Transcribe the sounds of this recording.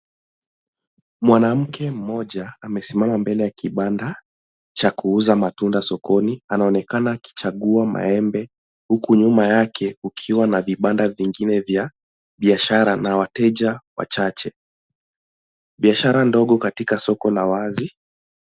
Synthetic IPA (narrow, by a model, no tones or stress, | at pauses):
mwanam̩kʰɛm̩mɔʄaːmɛsimamambɛlɛjakiɓanda | t͡ʃakuuzamatundasɔkɔnianaɔnɛkanaki̥t͡ʃaɠuama̰ɛmbɛ | hukuɲumajakʰɛukʰiwanaviɓandaviŋɡinɛvja | ɓiaʃaɾanawatɛʄawa̰t͡ʃat͡ʃɛ | ɓiaʃaɾandɔɠɔkatikasɔkɔlawazi